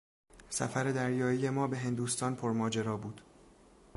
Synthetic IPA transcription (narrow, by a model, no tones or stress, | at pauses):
sæ̰fæɾe̞d̪æɾjɒːije̞mɒːbe̞ɦe̞nd̪uːst̪ɒːnpʰoɾmɒːd͡ʒeɾɒːbuːd̪̥